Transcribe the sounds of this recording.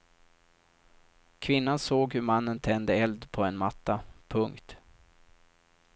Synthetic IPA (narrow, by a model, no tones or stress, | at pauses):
kʰvɪnːansoːɡhɵɾmanːənt̪ʰɛnd̪əɛld̪pʰɔɛnmat̪ːapʰɵŋkt̪